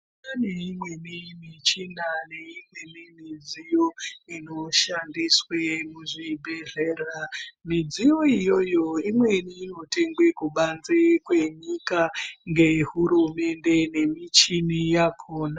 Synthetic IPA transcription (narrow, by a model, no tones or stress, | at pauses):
naneimwe̞nimit͡ʃinane̞imwemimid͡zijo̞ino̞ʃandiswemuʐibʱe̞ɮeramid͡zijo̞ijo̞jo̞imwe̞niːno̞te̞ŋɡwekuɓand͡zekwe̞ɲikaŋɡe̞ɦuɾume̞nde̞ne̞mit͡ʃinijakʰoːna